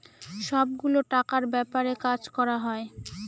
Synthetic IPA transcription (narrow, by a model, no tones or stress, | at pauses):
ʃɔbɡuloʈakaɾbɛpaɾekad͡ʑkɔɾaɦɔe